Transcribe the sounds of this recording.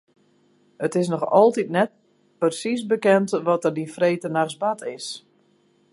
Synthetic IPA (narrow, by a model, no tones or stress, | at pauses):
ətɪs̬nɔxɔlˠtitnɛt̚ | pərsis̬bəkɛntʋɔtərdifreːtənaxsbatʰɪs